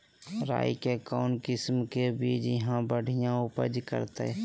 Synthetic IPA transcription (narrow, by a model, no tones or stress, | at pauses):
ɾa̰ːikekɔːnkɪsmkebiːd͡ʒəɦãbəɽ̤ʱijãʊpə̰d͡ʒkə̰ɾt̪ḛ